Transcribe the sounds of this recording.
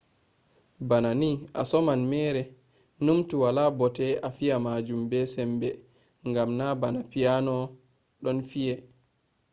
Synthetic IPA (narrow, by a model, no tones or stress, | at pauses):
bananiʔa̰sɔmanmɛːɾɛ | numtuwalaːbɔtɛafiamad͡ʒumbɛsɛmbɛ | ŋɡamnabanapijanɔ | ɗɔnfijɛ